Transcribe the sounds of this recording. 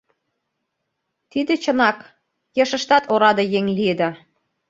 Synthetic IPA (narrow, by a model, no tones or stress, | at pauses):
t̪id̪et͡ɕə̆nɑk | jɤ̆ʃə̆ʃt̪ɑt̪oɾɑd̪ɤjeŋlied̪ɑ